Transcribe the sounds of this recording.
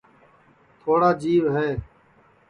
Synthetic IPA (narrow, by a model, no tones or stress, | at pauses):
t̪ʰoːɽaːd͡ʒiːʋɦɛː